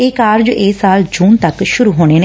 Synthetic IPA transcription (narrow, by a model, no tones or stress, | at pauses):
eːkaːɾd͡ʒʔeːsaːld͡ʒuːnt̪əkʃʊɾuːɦoːɽ̃eːneː